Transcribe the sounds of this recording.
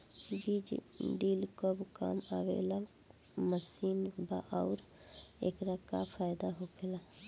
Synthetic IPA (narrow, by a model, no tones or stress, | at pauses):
bid͡ʒɖiːlkobka̰ːmawḛla | məsiːnbaʔaʊɾ | ḛkɾəkapʰaːjd̪aɦopʰela